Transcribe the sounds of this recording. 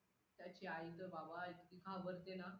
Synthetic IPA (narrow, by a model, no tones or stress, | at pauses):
t̪jat͡ɕiajt̪əbabaːjt̪ikaʋəɾt̪ena